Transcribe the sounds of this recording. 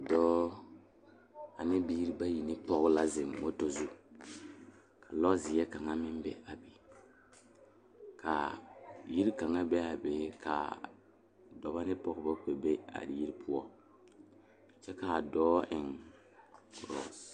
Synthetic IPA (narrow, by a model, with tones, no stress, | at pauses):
dɔː˦ | a˨nɪ˦biː˦ɾi˦ba˦ji˨nɪ˦pɔ˦kla˦zɪ˨mːo˦to˦zu˦ | kʰa˨lɔ˦zɪ˨jɛ˦ka˨ŋa˦mɪ˦m˦bɛ˦a˨be˨ | kʰa˨ji˦ɾka˨ŋa˦bɛ˦a˨be˨kʰa̰˨ | dɔ˨ba˦nɪ˦pɔ˦kba˦k͡pe˨be˦a̰˨ji˦ɾpʰʊ˦ɔ˦˨ | t͡ʃɛ˦ka˨dɔː˦ʔɪ˨ŋ | kʊ˨ɾɔ̰˦˨